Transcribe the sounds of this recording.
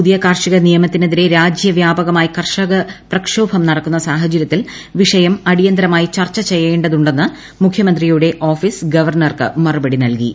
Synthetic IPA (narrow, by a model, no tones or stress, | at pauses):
puðijɐkaːrʂiɣɐnijɐmɐt̪ːineðiɾe̞ɾaːd͡ʑjɐʋjaːbɐɣɐmaːjikɐrʂɐɣɐprɐkʂoːbʰʱɐmnɐɽɐkːunːɐsaːɦɐt͡ɕɐɾjɐt̪ːil | ʋiʂɐjɐmɐɽijɐnd̪ɾɐmaːjit͡ɕɐrt͡ɕːɐt͡ɕe̞jːe̞ːɳɖɐðuɳɖe̞nːɨ | mukʰjɐmɐnd̪rijuɽe̞ʔo̞ːfiːsɡɐʋɐrɳɐrkɨ̰mɐrubɐɽinɐlkḭ